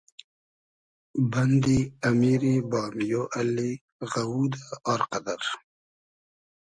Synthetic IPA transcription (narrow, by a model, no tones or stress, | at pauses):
bɐnd̪iɐmiːɾibaːmijoʔɐlːi | ɣɐwuːd̪aɔːɾqɐd̪ɐɾ